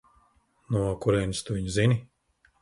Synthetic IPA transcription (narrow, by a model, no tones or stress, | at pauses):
nuɔkuɾɛːnst̪uviɲzinʲi